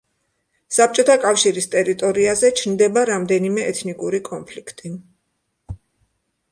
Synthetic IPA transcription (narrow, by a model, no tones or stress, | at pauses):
sap̚ʰt͡ʃʼɔt̪ʰakʼafʃiɾist̪ʼɛɾit̪ʼɔɾiazɛt͡ʃʰnd̪ɛbaɾamd̪ɛnimɛʔɛt̪ʰnikʼuɾikʼɔnpʰlikʰt̪ʼi